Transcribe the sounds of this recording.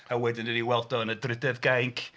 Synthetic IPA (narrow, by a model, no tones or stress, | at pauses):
awɛdɪnəniwɛlˠdɔənədrɪdɛðɡajŋkʰ